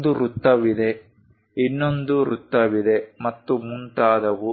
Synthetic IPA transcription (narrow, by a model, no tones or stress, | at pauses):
d̪uɾut̪ːɐʋid̪e̞ | inːo̞nd̪uɾut̪ːɐʋid̪e̞mɐt̪ːumuɳʈ̪aːd̪ɐʋu